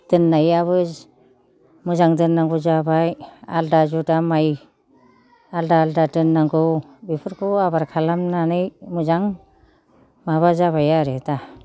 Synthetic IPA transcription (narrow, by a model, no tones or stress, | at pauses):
d̥ɯnːajaβɯ | mɯzaŋdɯnːaŋɡuzabaja̰ldad͡ʒudamaj | aldaldadɯnːaŋɡɔ | bipʰɯɾkʰuabaɾkʰalamnanɯjmɯzaŋ | maβazaβajaɾeta